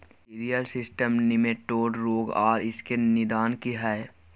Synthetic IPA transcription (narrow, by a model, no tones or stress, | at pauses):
iɾijəlsɪsʈəmnɪmeʈoːɖɾoːɡa̰ːɾɪskenɪd̪aːnkiɦɛe